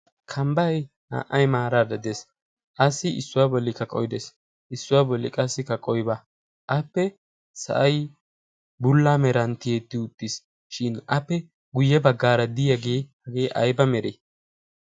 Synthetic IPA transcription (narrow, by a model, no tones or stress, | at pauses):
kʰɐmbɐj | ha̰ːʔːɐjmaːɾaːd̪ɐd̪es | ʔɐsɪɪsːʊwaːbɔlːɪkɐkʼɔjd̪ɛs | ʔɪsːʊwaːbɔlːɪ̰kʼɐsːɪkɐkʼɔjba | ʔɐpːɛ | sɐ̰ʔɐj | bʊlːaːmɛɾɐnt̪ɪjeːt̪ːɪʊt̪ʼːɪs | ʃɪnɐpːɛ | ɡʊjːɛbɐɡːaːɾɐd̪ɪjɐɡeːhɐɡeːʔɐjbɐmɛɾeː